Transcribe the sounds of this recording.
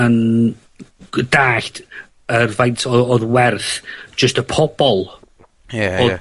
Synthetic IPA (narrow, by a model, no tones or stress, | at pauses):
ən | daːɬt | ərvajntʰɔɔðwɛrθd͡ʒ̥əstəpʰɔb̥ɔlˠ | o